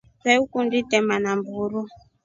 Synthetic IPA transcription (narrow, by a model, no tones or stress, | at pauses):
t͡sɛukunditɛmanambuɾu